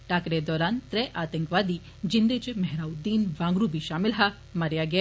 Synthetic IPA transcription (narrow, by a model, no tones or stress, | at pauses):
ʈaːkɾed̪ɔːɾaːnt̪ɾɛʔaːt̪əŋkʋaːd̪i | d͡ʒind̪et͡ʃemɛɦɾaːud̪iːnʋãːŋɡɾubʱiʃaːmɪlɦa | mɐɾjaɡɐja